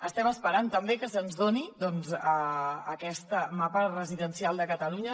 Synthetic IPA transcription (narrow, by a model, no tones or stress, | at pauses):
əst̪ɛməspəɾant̪əmbekəsənzðonid̪ɔnzəːkɛst̪əmapərəziðənsialˠd̪əkət̪əluɲə